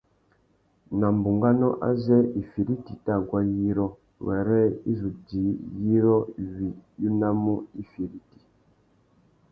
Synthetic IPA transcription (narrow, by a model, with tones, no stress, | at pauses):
na˨m˨bu˨ŋɡa˦nɔ˦ʔa̰˦zɛ˦i˨fi˨ɾi˦ti˨ta˦˨ɡwa˦ji˦ɾɔ˦ | wɛ̰˨ɾɛ˦i˦zu˨di˨˦ji˦ɾɔ˦˨vi˨ju˦na˦mu˦i˦fi˨ɾi˦ti̥˨